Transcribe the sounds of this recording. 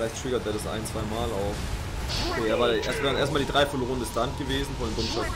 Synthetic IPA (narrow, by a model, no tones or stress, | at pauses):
laɪçttʁ̥ɪɡɐt̚deːɐdasʔa̰ɪnt͡sv̥aɪmaːlaʊf | kʰeːɐvaːʔḛːɐstv̥ɛːʁənʔḛɐstmaːldiːdʁaɪfɔloːəndəstant̚ɡ̥əveːzn̩fɔndeːmɡ̥ʊnsta